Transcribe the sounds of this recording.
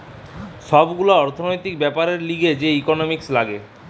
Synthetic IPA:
ʃɔbɡuloɔɾt̪ʰonojt̪ikbɛpaɾeɾliɡed͡ʑeikonomikslaɡe

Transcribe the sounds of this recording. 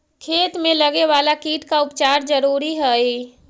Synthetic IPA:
kʰeːt̪mẽləɡeʋaːlakiːʈkaʊpt͡ʃaːɾd͡ʒəɾuːɾiɦɛi

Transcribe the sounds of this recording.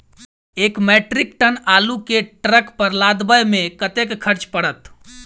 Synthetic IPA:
ekmɛʈɾik̚ʈənalukeʈɾəkpəɾlad̪bəjmẽkət̪ekkʰəɾt͡ʃpəɽət̪

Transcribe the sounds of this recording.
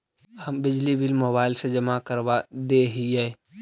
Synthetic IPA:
həmbɪd͡ʒlibɪlmoːbaːɪlsed͡ʒəmakəɾʋad̪eːɦiɛː

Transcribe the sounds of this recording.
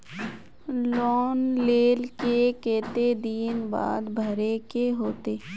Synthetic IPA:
lɔːnleːlkekeːt̪ed̪iːnba̰ːd̪bʱəɾekeɦoːt̪eː

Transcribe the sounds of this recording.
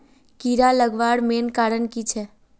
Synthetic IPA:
kiɾaləɡʋaɽmenkaɽənkit͡ʃʰe

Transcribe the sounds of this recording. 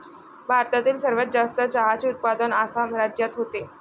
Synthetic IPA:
bʱaɾt̪at̪iːlsəɾʋət̪̚d͡zast̪əd͡ʑaɦat͡seut̪̚pad̪ənasamɾad͡ʑjat̪ɦot̪e

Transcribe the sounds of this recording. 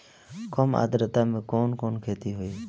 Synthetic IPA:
koːma̰ːd̪ɾət̪aːmẽːkoːnkoːnkʰeːt̪iːɦoːiː

